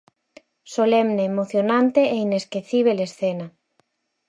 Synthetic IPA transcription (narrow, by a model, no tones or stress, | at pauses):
solɛmneːmoθjonãnt̪eʔeineskeθiβ̞elesθena